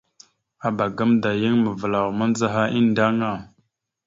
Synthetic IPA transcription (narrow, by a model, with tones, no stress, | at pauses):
a˨ba˨ɡa˦mda˨ji˦ŋmə˨və˨la˨wmə˦n˦za˦ɦa˦ʔi˦nda˦ŋa˦˨